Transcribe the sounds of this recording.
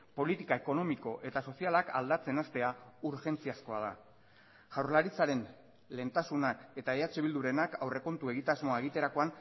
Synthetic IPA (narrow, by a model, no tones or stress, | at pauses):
po̞lit̪ikae̞ko̞no̞miko̞ʔe̞t̪aso̞sialaka̰ld̪at͡se̞nast̪e̞auɾʝe̞nt͡siasko̞að̞a̰ | ʝawɾlaɾit͡saɾe̞n | le̞nt̪asunae̞t̪aeat͡ʃeβild̪uɾe̞nakawre̞ko̞nt̪ue̞ɣ̞it̪azmo̞aeɣ̞it̪e̞ɾako̞an